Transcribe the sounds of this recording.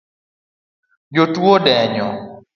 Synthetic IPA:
d͡ʒotwodɛɲɔ

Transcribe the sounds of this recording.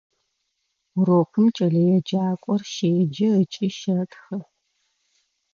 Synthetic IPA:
roːqəmt͡ʃʼɐɮɐjɛd͡ʒaːkʷʼɔrʃeːd͡ʒɐət͡ʃʼɪʃɐtxɐ

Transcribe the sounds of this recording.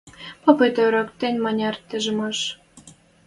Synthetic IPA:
popet̪øɾɑkt̪enʲmɑnʲɑrt̪əʒəmɑʃ

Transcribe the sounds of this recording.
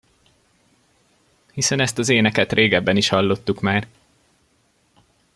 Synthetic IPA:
hisɛnɛst̪ɒzeːnɛkɛt̪rʔeːɡɛbːɛniʃhɒlːo̞t̪ːukmaːr

